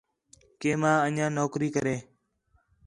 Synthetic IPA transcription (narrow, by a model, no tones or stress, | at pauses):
keːmãːəɲãːnoːkɾiːkəɾeː